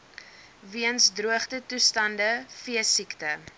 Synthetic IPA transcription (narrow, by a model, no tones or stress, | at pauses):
viənsdruəχtətustɐndəfiəsiktə